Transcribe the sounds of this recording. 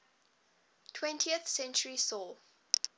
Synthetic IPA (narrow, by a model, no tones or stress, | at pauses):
tʰwɛ̃ntʰiəθsɛ̃nt͡ʃəɹisɔl